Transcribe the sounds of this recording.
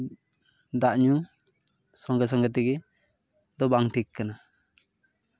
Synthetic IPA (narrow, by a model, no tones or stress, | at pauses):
d̪aʔɲu | sɔŋɡas̬ɔŋɡat̪̬ɛɡɛ | d̪ɔbaŋtʰikkːana